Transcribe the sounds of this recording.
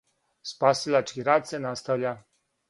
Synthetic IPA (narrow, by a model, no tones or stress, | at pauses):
spasɨlaʈ͡ʂkʲiɾat̪sɛnast̪ɔlʲa